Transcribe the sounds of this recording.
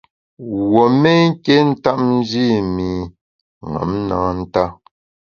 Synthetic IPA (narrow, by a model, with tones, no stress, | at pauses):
wo˨me˦ŋ̩˦ke˦n̩˦ta˦p̚n̩˦d͡ʒi˦˨mi˨ | ŋa̰˨˦mnaː˨˦n̩˦ta˦